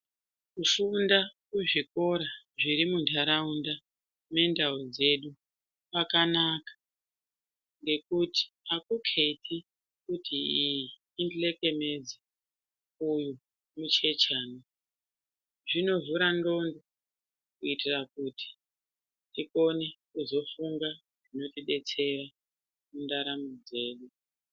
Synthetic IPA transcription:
kufundakuʐiko̞ɾaʐiɾimundʰʱaɾaunda | me̞ndaud͡ze̞ɗu | pakanakḁ | ŋɡe̞kuti̥ | akukʰetʰi | kutʰiijiːndile̞ke̞me̞d͡ze | uju | mut͡ʃe̞t͡ʃaːna | ʐino̞vuɾando̞ndo | kuitirakuti̥ | tiko̞ne̞kuzo̞fuŋɡa | ʐino̞tiɓe̞t͡se̞ra | mundaɾamud͡ze̞ːɗu

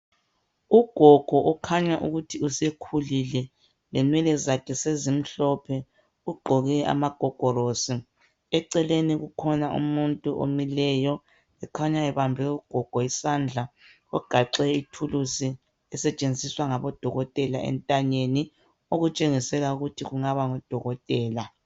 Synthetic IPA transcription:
uɡ̥ʱɔɡ̥ʱɔʔɔkʰaɲaʔuɣutʰiusɛkʰulilɛ | lɛnwɛlɛzakʰɛsezim̩ɬɔpʰɛ | uɡ͡ǃʱɔɣɛʔa̰maɡ̥ʱɔɡ̥ʱɔɾosi | ɛǀɛleniɣukʰɔnaʔṵmuntʼuʔo̰milɛjɔ | ɛkʰaɲaɛβambʱɛuɡ̥ʱɔɡ̥ʱɔisand͡ɮʱa | ɔɡ̥ʱaǀɛitʰulusi | ɛsɛt͡ʃʼend͡zʱiswaŋaβɔd̥ʱɔɣɔtʼɛlaɛ̰ntʼaɲeni | oɣut͡ʃʼeŋisɛlauɣutʰiɣuŋaβaŋɔd̥ʱɔɣɔtʼɛːla

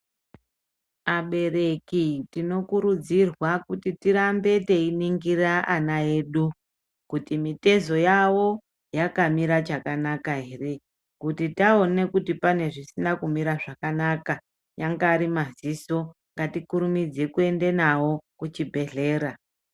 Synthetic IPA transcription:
aɓe̞re̞kitino̞kuɾud͡zirwakutitiɾambe̞teiniŋɡiraʔanae̞ːɗu | kutimite̞zo̞jawo̞ | jakamiɾat͡ʃakanakaɦe̞re̞ | kutitao̞ne̞kutipane̞ʐisinakumiɾaʐakanaka | jaŋɡaːɾimaziso̞ŋɡatikuɾumid͡ze̞kue̞nde̞nawo̞kut͡ʃibʱe̞ɮe̞ːɾa

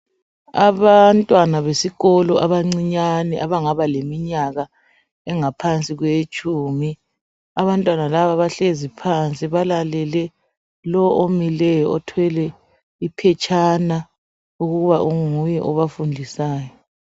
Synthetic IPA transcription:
aβantʼwanaβesiɣɔlɔʔaβaŋ͡ǀiɲanɛʔaβaŋaβalemiɲaɣa | ɛŋapʰant͡sʼiɣwet͡ʃʼuːmi | aβantʼwanalaβaβaɬezipʰant͡sʼiβalalɛlɛ | lɔʔomilɛjɔɔtʰwɛlɛ | ipʰɛt͡ʃʰʼana | uɣuɣuβaʔuŋujɛ̰ʔɔβafundʱisaːjɔ

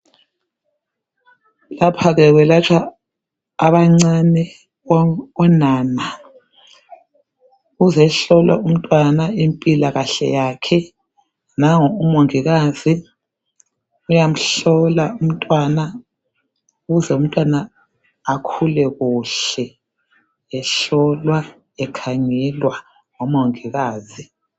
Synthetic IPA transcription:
lapʰaɣɛɣwɛlat͡ʃʰwaː | βaŋ͡ǀanɛ | ɔnaːna | uzɛɬɔla̰um̩tʼwanaimpʼilaɣaɬɛ̰jakʰɛ | naŋɔumoŋiɣazi | ujam̩ɬɔlaum̩tʼwana | ɣuzɛum̩tʼwanaː | kʰulɛɣuɬɛ | ɛɬɔlwa | ɛkʰaŋɛlwa | ŋɔmoŋiɣaːzi

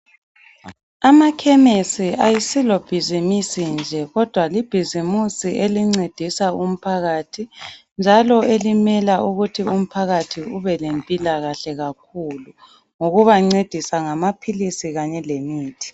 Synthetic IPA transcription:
amakʰɛmesiajisilob̥ʱizimisind͡ʒʱɛɣɔd̥ʱwalib̥ʱizimusiʔeliŋ͡ǀed̥ʱisaum̩pʰaɣatʰind͡ʒʱalɔelimɛlauɣutʰium̩pʰaɣatʰiuβɛlempʼilaɣaɬɛɣakʰulu | ŋoɣuβaŋ͡ǀed̥ʱisaŋamapʰilisiɣaɲɛlemiːtʰi̥

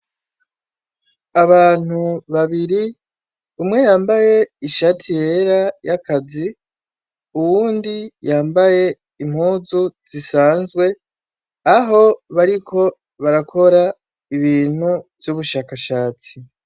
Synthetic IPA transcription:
aβaːn̥huβaβiɾi | umŋe̞jaːmbaje̞iʃatʰije̞ɾajakʰazi | uwuːndijaːmbaje̞ | im̥huːzuz̥isaːnzɡwe̞ | aɦo̞βaɾikʰo̞ | βaɾakʰo̞ɾa | iβiːn̥huvjuβuʃaːkaʃaːt͡si

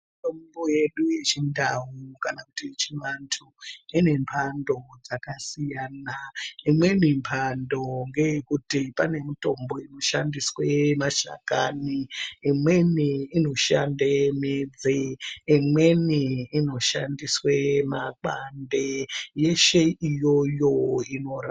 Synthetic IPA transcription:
itombo̞je̞ɗujet͡ʃindawukanaku̥tit͡ʃiŋantʰuine̞mpʰando̞d͡zakasijaːnaimwe̞mimpʰando̞ŋɡe̞jekutipane̞mito̞mbo̞ino̞ʃandiswemaʃa̰ka̰niimwe̞niino̞ʃa̰ndemed͡zeimwe̞niino̞ʃa̰ndiswemak͡pandeje̞ʃe̞ijo̞jo̞ino̞ra

